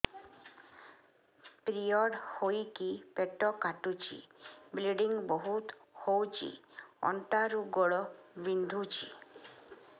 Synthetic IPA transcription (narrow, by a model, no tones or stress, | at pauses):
pɾijɔɽhojkipeʈɔkaʈut͡ʃʰḭbliɖiŋɡbɔɦut̪ | howt͡ʃʰḭɔ̰ɳʈaɾuɡɔɭɔbind̪ʱut͡ʃʰi